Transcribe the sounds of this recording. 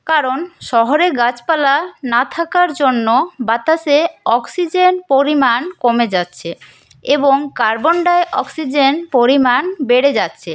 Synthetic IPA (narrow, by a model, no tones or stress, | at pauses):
kaɾonʃɔɦoɾeɡat͡ɕpalanat̪ʰakaɾd͡ʑonːobat̪aʃeɔksid͡ʑenpoɾimankomed͡ʑatːɕʰe | eboŋkaɾboɳɖaeʔɔksid͡ʑenpoɾimanbeɽed͡ʑatːɕʰe